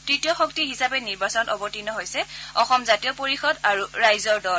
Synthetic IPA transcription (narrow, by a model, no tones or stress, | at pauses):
tɹitijɔxɔk̚tiɦisapɛniɹbasɔnɔtɔbɔtinɔɦojsɛɔxɔmzatijɔpoɹixɔdaɹuɹajzɔɹdɔl